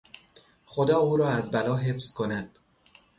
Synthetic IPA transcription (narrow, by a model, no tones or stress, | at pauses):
xo̞d̪ɒːuːɾɒːæzbælɒːɦe̞fskʰo̞næd̪̥